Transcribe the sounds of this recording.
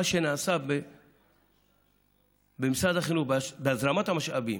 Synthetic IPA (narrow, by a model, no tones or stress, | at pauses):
ʃenaːsabe | bemisad̪aχinuχbbeazɾamot̪hamaʃʔavḭm